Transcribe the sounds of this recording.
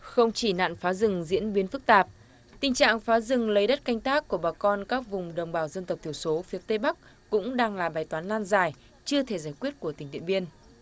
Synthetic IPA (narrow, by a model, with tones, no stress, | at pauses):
xə˧wŋ͡mt͡ɕi˧˩na̰ː˧˨nfaː˨˦zɨ˨˩ŋzḭ˧˥ənɓi˨˦ənfɨ˦˥k̚t̪aː˨˩p̚ | t̪ï˨˩ŋ̟t͡ɕa̰ː˧˨ŋfaː˨˦zɨ˨˩ŋlə˨˦jɗə˦˥t̚ka˧jŋ̟t̪aː˦˥kːu˧˩əɓaː˨˩kɔ˧nkaː˦˥k̚vʊ˨˩ŋ͡mɗə˨˩wŋ͡mɓaː˧˩wzə˧nt̪ə˨˩w̚t̪ʰi˧˩wso˨˦fi˨˦ət̪e˧ɓa˦˥k̚ | kʊ̰˧˥ŋ͡mɗaː˧ŋlaː˨˩ɓaː˨˩jt̪waː˨˦nlaː˧nzaː˨˩j | t͡ɕɨ˧ət̪ʰe˧˩zaː˧˩jkwi˦˥ət̚ku˧˩əï̟˨˩t̪ḭ˧˨əmɓi˧ən